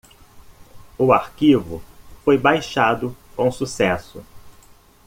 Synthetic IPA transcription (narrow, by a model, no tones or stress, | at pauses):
ʊaɾkivʊfojbajʃad̪ʊkõw̃susɛsʊ